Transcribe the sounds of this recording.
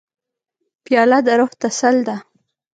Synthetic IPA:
pjɑlad̪aɾoht̪asald̪a

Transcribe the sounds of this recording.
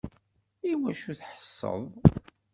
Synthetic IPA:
iwæʃuθħə̥sˤːə̰ðˤ

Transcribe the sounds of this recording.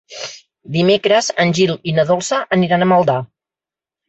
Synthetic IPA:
d̪imekɾəzənʲʒilinəðolˠsəʔəniɾanəməlˠd̪a

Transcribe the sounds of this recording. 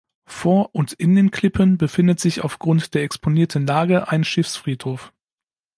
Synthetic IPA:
foːɐʔʊntɪndeːnkʰl̥ɪpʰənbəfɪndətz̥ɪça̰ʊfɡ̥ʁʊntd̥eːɐɛkspʰoniːɐtʰn̩laːɡəʔaɪnʃɪfsfʁ̥iːthoːf

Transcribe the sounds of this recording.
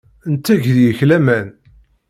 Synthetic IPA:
ənt̪ːæʝðjəçlæmæn

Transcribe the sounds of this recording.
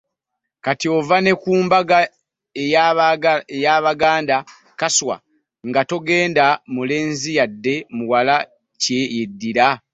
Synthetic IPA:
katiovane̞kuːmbaɡa | e | ejaːβaɡaːnda | kaswa̰ | ŋɡato̞ɡe̞ːndamule̞ːnzijadːe̞muwala | ce̞jedːiɾa

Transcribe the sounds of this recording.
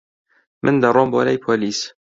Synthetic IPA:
mʔɨnd̪ɐrˤoːmbolɛjpʰoliːs

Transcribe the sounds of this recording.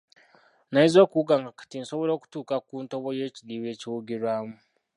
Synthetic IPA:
naizo̞ːkuuɡaŋɡakḁtinso̞βoɾo̞ːku̥tuːkakuːntoβojeːciliβe̞ːciuɡiɾwaːmu

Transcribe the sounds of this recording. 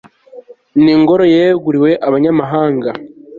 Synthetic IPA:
niːŋɡo̞ɾo̞jeɡuɾiwe̞ʔaβaɲamaɦaːŋɡa

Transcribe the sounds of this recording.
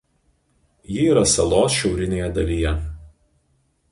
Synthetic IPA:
jɪiːɾɐsɐlˠoːsʃʲɛʊɾʲɪnʲeːjɛd̪ɐlʲɪjɛ

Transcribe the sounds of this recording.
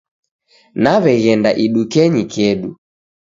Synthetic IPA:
naβɛɣɛndaʔiɗukɛɲikɛɗu

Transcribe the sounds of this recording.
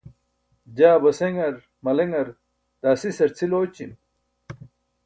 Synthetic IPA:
d͡ʑaːbɐseŋɐɾ | mɐleŋɐɾ | d̪̥aːsisɐɾt͡sʰiloːt͡ɕḭm

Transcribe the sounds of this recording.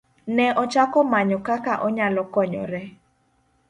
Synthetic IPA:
nɛʔɔt͡ʃakɔmaɲɔkakaʔɔɲalɔkɔɲɔ̰ɾɛ

